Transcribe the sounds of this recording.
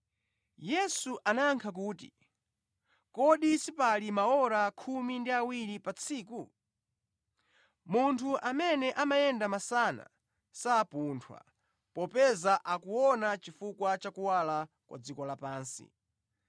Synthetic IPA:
jɛsuʔanaːŋkʰak̬uːtḭ | kɔɗisipalimaɔɾakʰumindiawiɾipat͡sʰiːku | muntʰuʔamɛnɛʔamajɛndamasana̰ | saːpuntʰwa̰ | pɔpɛzaʔakuwɔnat͡ʃifukwat͡ʃakuwala | kwa̰d͡zikɔlapaːnsḭ

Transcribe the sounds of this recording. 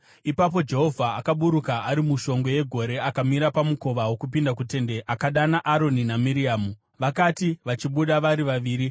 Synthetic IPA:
ipap̬o̞d͡ʒe̞ɦo̞vʱaːkaɓuɾukaʔaɾimuʃo̞ŋɡo̞je̞ɡʱo̞ɾe̞akamiɾapamuko̞ʋawo̞kup̬indakute̞nde̞ʔakaɗanaʔaɾo̞ninamiɾiaːmu | ʋakatiʋat͡ʃiɓuɗaʋaɾiʋaʋiːɾi

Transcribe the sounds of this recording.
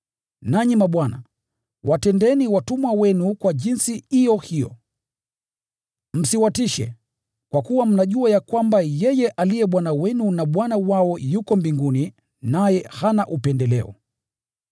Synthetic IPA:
naɲimaɓwana̰ | wʔatɛndɛniwatumwawɛnukwaʄinsihijɔhijɔ̰ | m̩siwatiʃɛ̰ | kwakuwam̩naʄuajakwambajɛjɛʔalijɛɓwanawɛnunaɓwanawaɔjukɔmbiŋɡuni | najɛhanaʔupɛndɛlɛ̰ɔ̰

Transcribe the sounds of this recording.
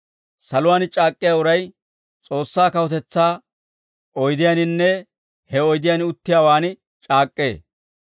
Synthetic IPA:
sɐlʊwaːnt͡ʃʼaːkʼːɪjaːʊɾɐj | t͡sʼo̞ːsːaːkɐwɔt̪ɛt͡sːaː | ɔjd̪ɪjanɪnːɛ | hɛɔjd̪ɪjanʊt̪ːɪjaːwaːnɪ | t͡ʃʼaːkʼːe̞ː

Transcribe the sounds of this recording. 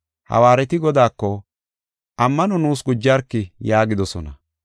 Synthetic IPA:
hɐ̰waːɾɛt̪ɪɡɔd̪aːkːɔ | ʔɐmːɐnɔnuːsɡʊd͡ʒːaɾkːɪjaːɡɪd̪ɔsɔnɐ

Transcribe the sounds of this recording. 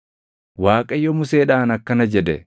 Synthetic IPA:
waːkʼɐjːɔmʊse̞ːᶑaːnɐkːɐnɐd͡ʒɛd̪ɛ

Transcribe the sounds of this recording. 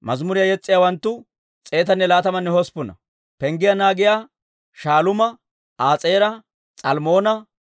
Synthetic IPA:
mɐzmʊɾɪjɐjɛt͡sʼːɪjawɐnt̪ːʊ | t͡sʼe̞ːt̪ɐnːɛlaːt̪ɐmɐnːɛhɔspːʊnɐ̰ | pɛŋɡɪjanaːɡɪjaː | ʃaːlʊmɐ | aːt͡sʼeːɾɐ | t͡sʼɐlmo̞ːnɐ

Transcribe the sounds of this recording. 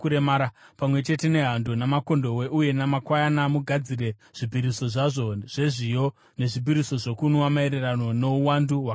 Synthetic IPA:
uɾemaɾapamwe̞t͡ʃe̞te̞ne̞ɦandonamako̞ndo̞we̞ʔuje̞namakwajanamuɡʱad͡ziɾe̞ | ʐ̥ibʱiɾiso̞ʐaʐo̞ʐ̥e̞ʐijo̞ | ne̞ʐibʱiɾiso̞ʐo̞kunowamaeɾerano̞no̞uwanduwa

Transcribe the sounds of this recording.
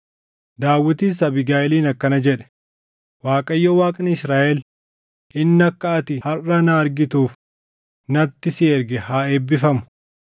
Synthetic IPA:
d̪aːwːɪt̪iːs̬ɐbɪɡaːʔɛliːnɐkːɐnɐd͡ʒɛᶑɛ̥ | waːkʼɐjːowaːkʼnɪɪsɾaːʔɛl | ʔɪnːɐkːɐɐt̪ɪhɐrːɐnaːɐɾɡɪt̪uːf | nɐt̪ːɪsiɛɾɡɛhaːeːbːɪfɐmʊ̥

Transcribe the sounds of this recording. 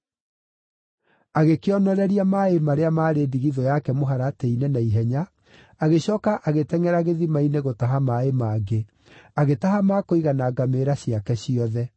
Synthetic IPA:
aɣekeɔnɔɾɛɾiamaemaɾeamaːɾeːdiɣiðɔjakɛmoɦaɾateinɛnaiɦɛɲa | aɣeɕɔːkaʔaɣetɛŋɛɾaɣeðimaineɣotaɦamaemaɡe | aɣetaɦamakoiɣanaːɡameːɾaɕiakɛɕiɔðɛ

